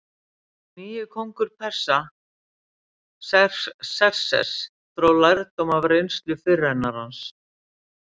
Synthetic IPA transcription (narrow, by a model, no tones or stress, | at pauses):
miːjʏkʰowŋkʏɾ̥pʰɛ̥sa | sɛsɛ̥sɛ̰s | θɾowlajɾt̪omavrejnst̪lʏfɪrːɛnːaɾ̥hans